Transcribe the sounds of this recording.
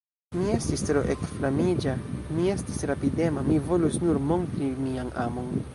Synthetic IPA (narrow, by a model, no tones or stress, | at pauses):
mie̞stistɾo̞ʔekflamid͡ʒamie̞stisɾapide̞mamivo̞lusnuɾmo̞ntɾimianʔamo̞n